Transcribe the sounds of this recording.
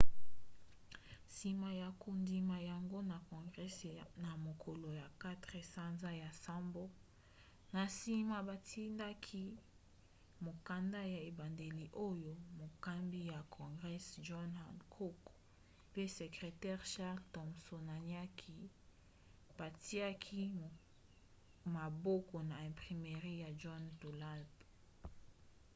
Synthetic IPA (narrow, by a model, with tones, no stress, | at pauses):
si˨ma˨ja˨ku˨ndi˨ma˨ja˨ŋɡo˦na˨kɔ̃˨ŋɡʁɛ˦sna˨mo˨kʰo˨lo˨ja˨ka˦tʁe˨sa˦nza˦ja˨sa˦mbo˦ | na˨si˦ma˨ba˨tʰi˦nda˦kʰi˦ | mo˨ka˨nda˦ja˨e˨ba˨nde˨li˨ʔo˦jo˦mo˨ka˦mbi˦ja˨kʰɔ̃˨ŋɡʁɛ˦sʒɔ˦na˨nkʰo˦k | pe˦se˨kʁe˨tɛ˦ʁʃa˦ʁltɔ˨mso˨na˨nia˦kʰi˨ | b̥a˨ti˦a˦kʰi˦˨ | ma˨bo˦kɔ˨na˨ɛ̃˨mpʁi˨me˨ʁi˦ja˨ʒɔ˦nto˨la˦lp